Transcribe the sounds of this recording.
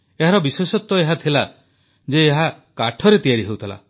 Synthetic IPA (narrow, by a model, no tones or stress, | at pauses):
eɦaɾɔbiswesɔt̪ːwɔeɦat̪ʰila | d͡ʒeːɦa | kaʈʰɔɾet̪ijaɾiɦewt̪ʰala̰